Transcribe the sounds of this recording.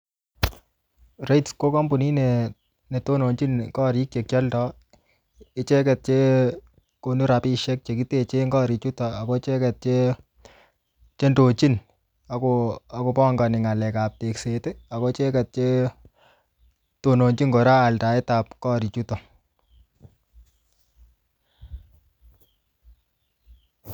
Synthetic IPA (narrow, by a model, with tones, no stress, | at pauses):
re˦jtsko˦kɔ˦mbu˨ni˦ne˨ | ne˨to˦no˨ɲt͡ʃi˦nkɔ˦ɾi˦k̚t͡ʃe˨k̚jɔ˦ltɔ˨˦ | ɪ˦t͡ʃɛ˦kɛ˨t̚t͡ʃe˦ | ko˨nu˦ɾa˨pi˦ʃɛ˦k̚t͡ʃe˨k̬i˦te˦t͡ʃe˦ŋɡɔ˦ɾi˨t͡ʃu˦tɔa˨ko˦t͡ʃɛ˦kɛ˨t̚t͡ʃe˦ | t͡ʃe˦ndo˨t͡ʃi˦n | a˨koa˦ko˧pɔ˦ŋɡa˨nɪ˨ŋa˨lɛ˨ka˨p̚te˨kse˨te˦a˨ko˦t͡ʃe˦kɛ˨t̚t͡ʃe˦ | to˨no˨ɲt͡ʃi˦ŋɡo˨ɾaː˦˨lta˨e˦ta˨p̚kɔ˦ɾi˨t͡ʃu˦tɔ˨